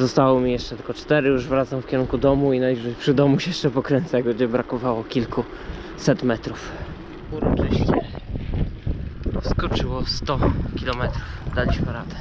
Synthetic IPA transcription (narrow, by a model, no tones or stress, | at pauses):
zɔst̪awɔmʲijɛʂt͡ʂɛt̪ɘlkɔt͡ʂt̪ɛɾɘjuʐvɾat̪samfkʲɛɾuŋkud̪ɔmuinajʐɛpʂɘd̪ɔmuɕjɛʂt͡ʂɛpɔkɾɛnt̪sajaɡɔd͡ʑɛbɾakɔvawɔkʲilku | sɛt̪mɛt̪ɾuf | uɾɔt͡ʂɛɕɲɛ | skɔt͡ʂɘwɔst̪ɔkʲilɔmɛt̪ɾufd̪alʲiɕmɘɾad̪ɛ̥